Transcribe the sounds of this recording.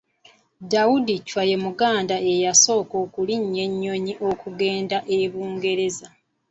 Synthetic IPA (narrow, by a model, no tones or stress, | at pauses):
dawudicwaje̞muɡaːndae̞jaso̞ːko̞ːkuliɲːe̞ɲːo̞ɲiʔo̞kuɡe̞ːndaʔeβuːŋɡe̞ɾe̞za